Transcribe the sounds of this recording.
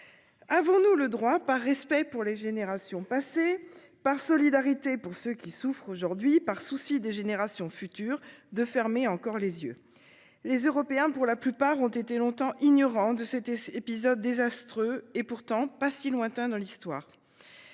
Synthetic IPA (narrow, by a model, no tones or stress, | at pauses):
avɔ̃nuləd̪ʁwapaʁːɛspɛpuʁleʒeneʁasjɔ̃pase | paʁsɔlid̪aʁit̪epuʁsøkʲisufχoʒuʁd̪ɥipaʁsusid̪eʒeneʁasjɔ̃fyt̪yːʁd̪əfɛʁmeɑ̃kɔʁlezjø̰ | lezøʁɔpeɛ̃puʁlaplypaʁɔ̃t̪et̪elɔ̃t̪ɑ̃ʔiɲɔʁɑ̃d̪əsɛt̪eepizɔd̪̚ːezast̪χøepuʁt̪ɑ̃pasilwɛ̃t̪ɛ̃d̪ɑ̃list̪waːʁ